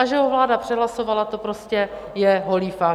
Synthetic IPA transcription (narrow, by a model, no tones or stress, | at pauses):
aʒɛɦovlaːdapr̝̥ɛɦlaso̞valat̪o̞pɾoscɛ | jɛɦo̞liːfa